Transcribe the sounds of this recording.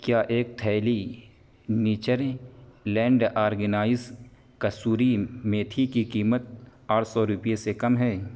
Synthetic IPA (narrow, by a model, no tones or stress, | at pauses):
kjaːʔeːk̚t̪ʰɛːli | niːt͡ʃəɾlɛ̃ːɳɖaːɾɡənaːɪz | kɐsuːɾimẽt̪ʰikikiːmət̪̚aːɾʰsɔːɾʊpijesekɐmɦɛː